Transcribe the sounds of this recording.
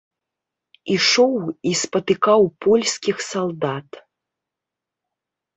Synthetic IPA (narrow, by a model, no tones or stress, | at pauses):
iʂɔwispɐt̪ɨkawpʰɔlʲsʲkʲixsalˠd̪at̪